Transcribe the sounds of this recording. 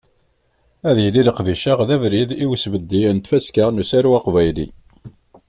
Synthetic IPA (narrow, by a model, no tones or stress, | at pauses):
æðjəliləqðiʃaʁðævɾiðiwsvəd̪ːint̪fæskaʁnusæɾwɑqvæjlḭ